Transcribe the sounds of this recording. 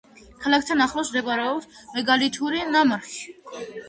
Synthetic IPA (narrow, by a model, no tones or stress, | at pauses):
kʰalˠakʰt̪ʰanaχlˠɔsmd̪ɛbaɾɛɔpsmɛɡalit̪ʰuɾinamaɾi̥